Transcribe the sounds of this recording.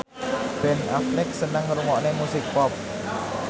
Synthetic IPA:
bɛnaflɪk̚sənəŋruŋɔʔnemusɪk̚pɔp̚

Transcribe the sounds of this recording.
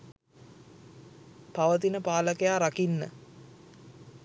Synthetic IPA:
paʋət̪̬inəpaːləkejaːɾakinːə̰

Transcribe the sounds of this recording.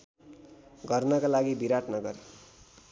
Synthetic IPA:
ɡʌrnʌkalaɡibiɾaʈnʌɡʌɾe

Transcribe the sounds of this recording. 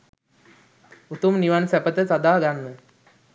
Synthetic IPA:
ut̪umniʋansæpət̪əsad̪aːɡanːə

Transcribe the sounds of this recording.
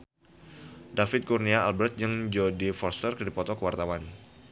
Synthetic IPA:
dafɪt̪̚kurniaalbɛrt̪̚d͡ʒəŋd͡ʒodifɔrst̪ərkədipɔt̪ɔkəwart̪awan

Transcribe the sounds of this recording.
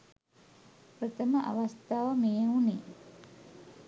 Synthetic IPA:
pɾət̪əməʔa̰ʋast̪aːʋəmeːɦuniː

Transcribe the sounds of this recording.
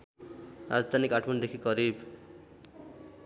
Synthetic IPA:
ra̰d͡zd̪ʱanikːaʈʰmʌnd̪ekʰikʌɾib

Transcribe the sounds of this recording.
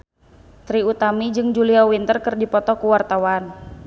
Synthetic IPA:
t̪ɾiut̪amid͡ʒɨŋd͡ʒuliawint̪ərkɨrdipɔt̪ɔkuwart̪awan

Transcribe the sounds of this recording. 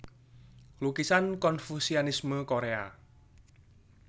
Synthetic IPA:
lukisankɔnfusiɔnisməkoɾea̰

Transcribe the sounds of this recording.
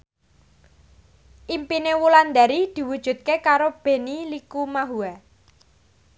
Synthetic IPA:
ʔimpinewuland̪a̤ɾid̪̥i̤wud̥ʒ̥ṳt̪̚kekaɾob̥e̤nilikumaɦua

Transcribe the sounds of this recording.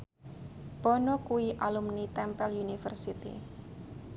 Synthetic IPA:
b̥ɔnɔkuiʔalumnit̪ɛmpɛljunifə̰rsit̪ḭ

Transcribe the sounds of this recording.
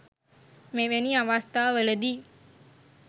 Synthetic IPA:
meʋeniaʋast̪aːʋələd̪i

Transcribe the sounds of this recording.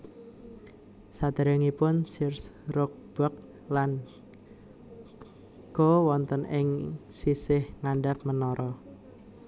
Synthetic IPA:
sad̪̥ə̤ɾəŋipʊnsɪrsrʊk̚b̥ɔk̚ | lan | ɡ̥ɔwɔnt̪ənʔɪŋsisɪhŋaɳɖap̚mənɔɾʔɔ

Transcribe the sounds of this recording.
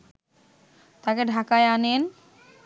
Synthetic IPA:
t̪akeɖʱakaeanen

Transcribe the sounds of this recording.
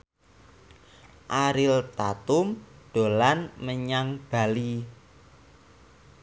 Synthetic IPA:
ʔaɾɪlt̪at̪ʊmɖ̥o̤lanməɲaŋb̥a̤li

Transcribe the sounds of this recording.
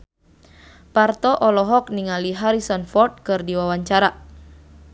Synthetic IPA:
part̪ɔʔɔlɔɦɔk̚niŋaliɦaɾisɔnfɔrt̪̚kɨrdiwawaɲt͡ʃaɾa

